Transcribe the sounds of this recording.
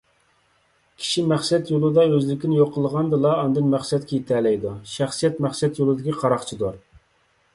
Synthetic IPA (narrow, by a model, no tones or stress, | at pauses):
kʲʰi̥ʃimæχsɛt̪jolˠɨd̪ɑøzlɪkʲinɪjoqʰːəlˠəʁɑnd̪ɨlˠɑːnd̪ɨnmæχsɛt̪̚kʰʲɛjet̪ʰɛlɛjd̪uʃæχsijɛt̪mæχsɛt̪jolˠɨd̪ɪkʲiqʰɑɾɑχt͡ʃʰid̪oɾ